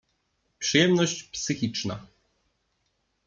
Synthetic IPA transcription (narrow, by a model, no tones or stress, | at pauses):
pʂɨjɛmnɔɕt͡ɕpsɘxʲit͡ʂna̰